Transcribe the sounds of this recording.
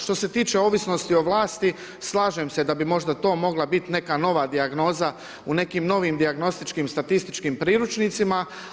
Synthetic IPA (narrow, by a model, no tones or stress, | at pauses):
ʃt̪o̞se̞t̪iːt͡ʃeo̞ʋisno̞st̪io̞ʋlˠaːst̪i | slˠaːʒemse̞d̪abimo̞ʒd̪at̪o̞ːmo̞ɡlˠabit̪ne̞kano̞ʋaːd̪iaɡno̞ːza | une̞kiːmno̞ʋimd̪iaɡno̞st̪it͡ʃkimst̪at̪ist̪it͡ʃkiːmpɾiːɾut͡ʃnit̪sima